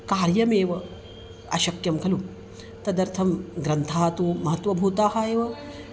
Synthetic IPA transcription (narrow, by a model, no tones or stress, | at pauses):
kaːɾjɐmeːʋɐ | ɐ̰ʃɐkjɐmkʰɐlu | t̪ɐd̪ɐɾt̪ʰɐmɡɾɐnt̪ʰaːt̪umɐɦɐt̪ʋɐbʱuːt̪aːɦɐeːʋɐ